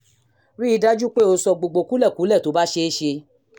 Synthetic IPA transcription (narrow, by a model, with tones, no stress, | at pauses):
ɾi˦i˦˧da˦d͡ʒu˦k͡pe˦˨o˧sɔ˧ɡ͡bo˨ɡ͡bo˨˧ku˨˦lɛ˦˨ku˨˦lɛ˦˨to˨˦ba˦ʃe˧˦ʃe˧